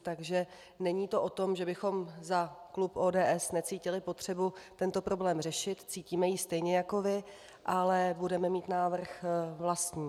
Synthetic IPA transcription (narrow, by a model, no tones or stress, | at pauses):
t̪aɡʒɛ | nɛɲiːt̪o̞ʔo̞t̪o̞mʒɛbɪxo̞mzaklupʔoːdɛːʔɛsnɛt͡siːcɪlɪpo̞t̪r̝̥ɛbut̪ɛnt̪o̞pɾo̞blɛːmr̝ɛʃɪt̪t͡siːciːmɛjist̪ɛjɲɛjako̞vɪ | ʔalɛbudɛmɛmiːt̪naːvr̩xvlast̪ɲiː